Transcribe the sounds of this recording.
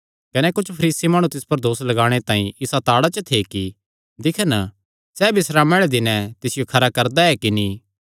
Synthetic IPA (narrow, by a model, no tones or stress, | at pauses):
kɐnɛkʊt͡ʃʰpʰɐɾiːsimaːɽ̃ũt̪ɪspɐɾd̪oːslɐɡaːɽ̃et̪ãːĩɪsat̪aːɽat͡ʃət̪ʰeki | d̪ɪkʰən | sɛːbɪsɾamɛːɭɛd̪ɪnɛ̃t̪ɪsɪjokʰɐɾakɐɾd̪aɛkiniː